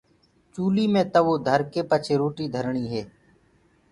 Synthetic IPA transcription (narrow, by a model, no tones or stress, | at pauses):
t͡ʃuːliːmẽːt̪əʋoːd̪ʱəɾkeːpət͡ʃʰeːɾoːʈiːd̪ʱəɾɳiːɦeː